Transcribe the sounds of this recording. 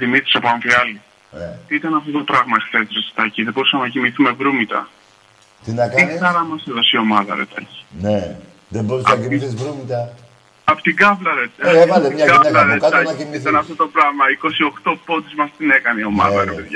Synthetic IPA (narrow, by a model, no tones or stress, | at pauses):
ðimit̪ɾi̥sepɐɱviɐli | t̪iit̪ɐnɐft̪o̞t̪o̞pɾɐɣmɐexθe̞sɾest̪i̥t̪ɐciðebo̞ɾusɐmenɐcimiθumevɾumit̪ɐ̰ | t̪inɐkiɐɾɐmɐseðo̞sio̞mɐðɐ̰ɾḛt̪ɐ̰ci̥ne | ðeboɾusɐɐiθizɾumit̪ɐ | ɐpo̥t̪iɡɐvlɐɾet̪eiɡɐvlɐɾet̪ɐiit̪ɐnɐft̪o̞t̪o̞pɾɐɣmɐiko̞sio̞xt̪o̞po̞t̪izmɐst̪ine̞kɐneio̞mɐ̰ðɐepeðʝɐ